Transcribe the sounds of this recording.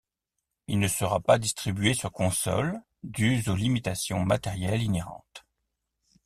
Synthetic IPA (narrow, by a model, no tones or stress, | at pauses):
ilnəsəʁapad̪ist̪χibyesyʁkɔ̃sɔ̰l | d̪yzolimit̪asjɔ̃mat̪ɛʁjɛlineʁɑ̰̃t̪